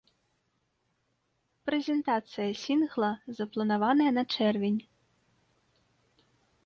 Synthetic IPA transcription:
pɾɛzʲɛnt̪at̪sɨjɐsʲinɣlˠɐzɐplˠɐnavanɐjɐnɐt͡ʂɛrvʲenʲ

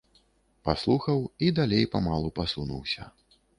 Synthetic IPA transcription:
paslˠuxɐwid̪alʲejpamalˠupasunṵwsʲɐ̰

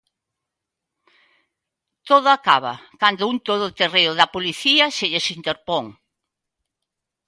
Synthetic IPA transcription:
t̪oð̞ʊakaβ̞ɐ̰kand̪ʊunt̪oðʊt̪ereʊðɐpoliθiɐseʎesint̪eɾpɔŋ

